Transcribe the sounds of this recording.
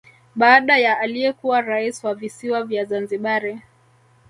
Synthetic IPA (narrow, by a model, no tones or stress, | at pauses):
ɓaːɗajaːlijɛkuwaɾaisiwavisiwavjazanziɓaɾɛ